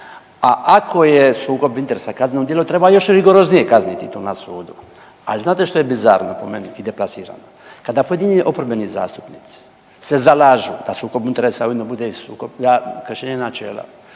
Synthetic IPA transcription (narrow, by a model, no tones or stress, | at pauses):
aʔako̞jesuːko̞bint̪eɾesakaznenod̪jielot̪ɾebajo̞ʃɾiɡo̞ɾo̞znijekaznit̪it̪oːnasuːd̪u | a̰liznaːt̪eʃt̪o̞jebiza̰ɾnopo̞meniid̪e̞plasiːɾa̰no | kad̪apojed̪iɲiʔo̞pɾobeniza̰ːst̪u̥pniːt̪si̥ | se̞zalaːʒud̪̥asuːko̞bint̪eɾesaujid̪nobud̪eisuːko̞bd̪akr̩ʃeːɲenat͡ʃḛːla̰